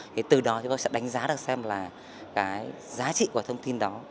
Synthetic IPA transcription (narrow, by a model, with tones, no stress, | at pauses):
t̪ʰi˨˩t̪ɨ˨˩ɗɔ˨˦t͡ɕi˨˦va˧˦sɛ̰˧˥ɗa˨˦jŋ̟zaː˨˦ɗɨ˨˩ək̚sɛ˧mlaː˨˩ | kaː˨˦j | zaː˨˦t͡ɕḭ˧˨ku˧˩ət̪ʰə˧wŋ͡mt̪i˧nɗɔ˨˦